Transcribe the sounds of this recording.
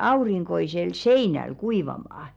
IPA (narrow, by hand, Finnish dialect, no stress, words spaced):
ɑuriŋkoisel seinæl kuiʋɑmɑː